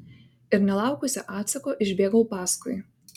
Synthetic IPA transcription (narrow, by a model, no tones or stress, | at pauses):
ɪɾnʲɛlˠɑˑʊkʊsʲɛ̰ʔɑːt̪sɐkoːʔɪʒʲbʲeːɡɐʊpɑːskɔj